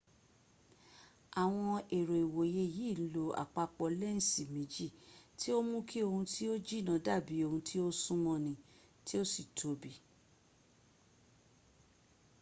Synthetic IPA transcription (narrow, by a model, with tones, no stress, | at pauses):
a˨w̃ɔ̃˧e˨ɾo˨i˨wo˨je˧˦˨jiː˨˦˨lo˨˦a̰˨k͡pa˧k͡pɔ˧lɛ˦n̩˨si˨mĩ˨˦d͡ʒi˦˨ti˦o˦mũ˦kʰi˦o˧hũ˧tʰi˦o˦d͡ʒi˦˨nã˨˦da˦˨bi˨˦o˧hũ˧tʰi˦o˦sũ˦mɔ̃˧nĩ˨ | ti˦o˦si˨tʰo˨˦bi˨˦